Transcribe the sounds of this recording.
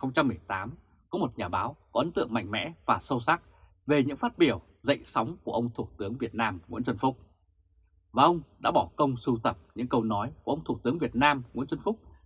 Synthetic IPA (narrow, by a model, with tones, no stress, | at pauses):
xə˧wŋ͡mt͡ɕa˧mːɨ˨˩əjt̪aː˨˦m | kɔ˨˦mo˨˩t̚ɲaː˨˩ɓaː˨˦wkɔ˨˦ʔə˨˦nt̪ɨ̰˧˨əŋma̰˧jŋ̟mɛ̰˧˥vaː˨˩sə˧wsa˦˥k̚ | ve˨˩ɲɨ̰˧˥ŋfaː˦˥t̚ɓi˧˩əw | zə̰˧˨jŋ̟sa˨˦wŋ͡mku˧˩əʔə˧wŋ͡mt̪ʰu˧˩t̪ɨ˨˦əŋvi˨˩ət̚naː˧mŋwḭ˧˥ənt͡ɕə˧nfʊ˦˥k͡p̚ | vaː˨˩ʔə˧wŋ͡mɗa̰ː˧˥ɓɔ˧˩kə˧wŋ͡msu˧t̪ə˨˩p̚ɲɨ̰˧˥ŋkə˧wnɔ˨˦jku˧˩əʔə˧wŋ͡mt̪ʰu˧˩t̪ɨ˨˦əŋvi˨˩ət̚naː˧mŋi˧˥nzə˧nfʊ˦˥k͡p̚